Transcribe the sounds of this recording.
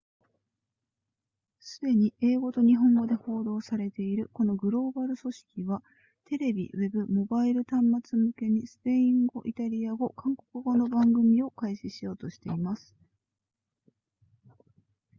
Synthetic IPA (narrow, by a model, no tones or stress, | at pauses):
sɨd̪e̞ɲ̟iʔeːɡo̞t̪o̞ɲ̟iɦõ̞ŋɡo̞d̪e̞ho̞ːd̪o̞ːsaɾe̞t̪e̞iɾɯ̟ko̞noɡɯ̟ɾo̞ːbaɾɯ̟so̞ɕi̥kʲiβa | t̪e̞ɾe̞bʲḭβe̞bɯ̟mo̞baiɾɯ̟t̪ãmːat͡sɨmɯ̟ke̞ɲ̟isɨ̥pe̞ĩŋɡo̞ʔit̪aɾʲiaɡo̞kãŋko̞̥kɯ̟ɡo̞no̞bãŋɡɯ̟mʲio̞kaiɕiɕijo̞ːt̪o̞ɕi̥t̪e̞imasɨ̥